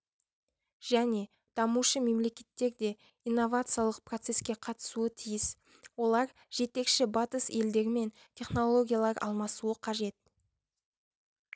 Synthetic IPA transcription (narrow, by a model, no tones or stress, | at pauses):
ʒ̥æne̞ | d̪̥ɑmuʃəme̞mle̞kʲe̞t̪ːe̞ɾd̪e̞ | ijnːo̞vat̪sɨjalˠəq̚prot̪se̞skʲe̞qʰɑt̪ə̥suət̪ʰijɪs | wo̞lˠɑɾ | ʒ̥e̞t̪e̞kʃɪbɑt̪əse̞ld̪e̞ɾme̞n | t̪ʲʰe̞χno̞lˠo̞ɡʲijalˠɑɾɑ̰lˠmɑsuəqʰɑʒe̞t̪̚